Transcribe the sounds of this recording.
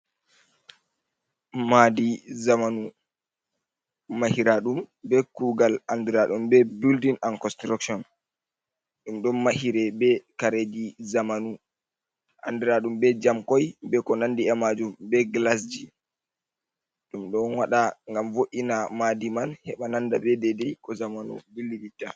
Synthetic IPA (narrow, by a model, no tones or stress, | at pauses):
madizamanu | mahiɾaɗumbɛkuɡalandiɾaɗumbɛbildinankɔnstɾakʃɔn | ɗumɗɔnmahiɾɛbɛkaɾed͡ʒizamanu | ʔa̰ndɛɾaɗumbɛd͡ʒamkɔjbɛkɔnandiɛmad͡ʒumbɛɡlas̬d͡ʒi | ɗumɗɔnwaɗaŋɡamvoʔinamadimanhɛɓanandabɛdɛdɛjkɔzamanṵbilːiditːa